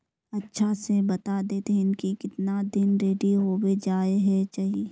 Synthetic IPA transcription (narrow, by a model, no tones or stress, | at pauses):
ɐtːʃʰasebɐt̪ad̪eːt̪eɦɛ̃ɪnkikɪt̪nad̪ɪnɾeːɖiɦoːwed͡ʒaːeɦɛt͡ʃaːɦie